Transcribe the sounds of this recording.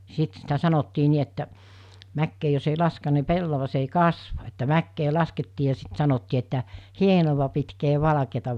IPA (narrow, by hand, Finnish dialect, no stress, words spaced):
sit sitæ sɑnotːiː ni etːæ mækːeː jos ei lɑsken̆ɑ̆ ni pelːɑʋɑs ei kɑsʋɑ etːæ mækːeː lɑsketːiː jɑ sit sɑnotːiː etːæ hienoʋɑ pitkeː ʋɑlɑ̆keːtɑ